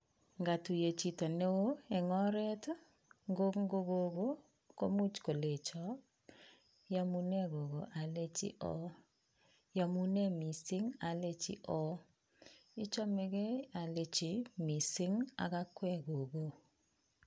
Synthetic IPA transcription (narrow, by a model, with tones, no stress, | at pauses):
ŋɡa˨tu˨je˨t͡ʃi˨to˨ne˦o˦ɛ˨ŋɔ˦ɾɛ˦t | ŋɡo˦kŋ˦ɡo˦ɡo˦ɡo˦ | ko̰˦mu˦t͡ʃko˨le˨t͡ʃɔ˨ | ja˦mu˦nɛ˦ɡo˨ɡo˨ʔa˨le˦t͡ʃḭ˦ʔɔ̰˦ | ja˨mu˦nɛ˦mi˨sɪ˦ŋa˨le˦t͡ʃɪ̰˦ʔɔ˦ | ɪ˦t͡ʃɔ˦me˦ɡe˦a˨le˨t͡ʃi˨mi˨sɪ˦ŋa̰˨ɡa˦kwɛ˦ɡo˨ɡo˦